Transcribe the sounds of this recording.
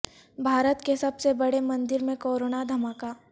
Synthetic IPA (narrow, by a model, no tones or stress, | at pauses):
bʱaːɾət̪kesɐbsebɐɽemɐ̃nd̪ɪɾmẽkoːɾoːnad̪ʱɐmaːkaː